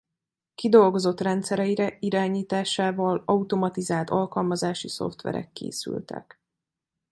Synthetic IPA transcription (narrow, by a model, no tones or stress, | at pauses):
kid̪o̞lɡo̞zo̞t̪rɛnt̪sɛɾɛiɾɛiɾaːɲiːt̪aːʃaːvɒlɒut̪o̞mɒt̪izaːlt̪ɒlkɒlmɒzaːʃiso̞̰ft̪ʋɛ̰ɾɛ̰kːḛːsy̰lt̪ɛ̰k